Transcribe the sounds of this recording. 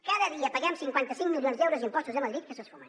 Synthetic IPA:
kaðəðiəpəɣɛmsiŋkwant̪əsiŋmilˠionzd̪ɛwɾuzimpɔst̪uzðəməðɾit̪̚kəsəsfomən

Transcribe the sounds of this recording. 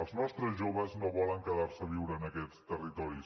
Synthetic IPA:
əlˠznɔst̪ɾəzʒoβəznoβɔlˠəŋkəðaɾsəβ̞iwɾəːnəkɛt͡st̪ərit̪ɔɾi

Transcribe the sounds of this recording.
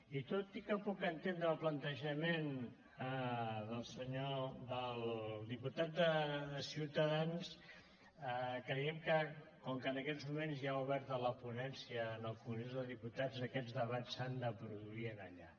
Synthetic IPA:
it̪ot̪ikəpukənt̪end̪ɾəːlˠplənt̪əʒəmen | əðəlˠsəɲoðəlˠd̪iput̪at̪̚d̪əəsiwt̪əðans | əkɾəɛmkəkɔŋkənəkɛzmumenzjauβɛɾt̪ələpunɛnsiəːnəlˠfunizðəðiput̪azəkɛd͡zzðəβat͡sand̪əpɾuðuiənəʎa

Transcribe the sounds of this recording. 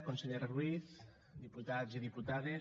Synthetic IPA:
konseʎeɾrwiθ | d̪iput̪aziðiput̪aðe

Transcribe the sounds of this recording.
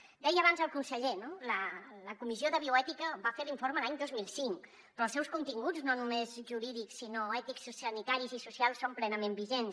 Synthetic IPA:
d̪ɛjəβanzəlˠkunsəʎenolələkumizioðəβiuɛt̪ikəβafeɾliɱfoɾməlaɲd̪ozmilˠsiŋk | ppɾɔːlˠsɛwskunt̪iŋɡud͡znonumezʒuɾiðiksːinoɛt̪iksusənit̪aɾizisusialˠsːomplɛnəmembiʒens

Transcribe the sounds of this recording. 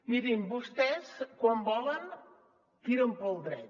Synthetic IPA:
liðimbust̪ɛskwambɔlən | t̪iɾəmpɔlˠd̪ɾɛ̰t̪

